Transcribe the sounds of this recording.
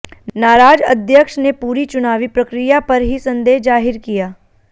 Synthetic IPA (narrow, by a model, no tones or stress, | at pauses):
naːɾaːd͡ʒɐd̪ʱjəkʃnepuːɾit͡ʃʊnaːʋipɾɐkɾijapɐɾɦisɐ̃nd̪eːɦd͡ʒaːɦɪɾkijaː